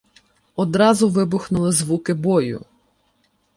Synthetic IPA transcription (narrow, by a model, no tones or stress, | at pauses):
ɔd̪ɾɑzʊʋɪbʊxnʊlˠɪzʋukɪbɔjʊ̰